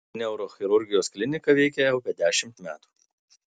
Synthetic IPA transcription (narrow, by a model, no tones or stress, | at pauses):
nʲɛʊɾoːxʲɪɾʊɾʲɡʲɪjoːsklʲɪnʲɪkɐʋʲɛɪkʲɛʊpʲɛd̪ʲæːʃʲɪmt̪mʲæːt̪u̥ː